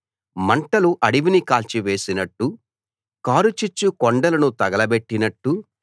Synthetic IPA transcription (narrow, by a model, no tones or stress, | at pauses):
mɐɳʈɐluʔɐɽiʋinikaːlt͡ʃiʋe̞ːsinɐʈːu | kaːɾut͡ʃit͡ʃːukɔɳɖɐlɐnut̪ɐɡɐlɐbe̞ʈːinɐʈːu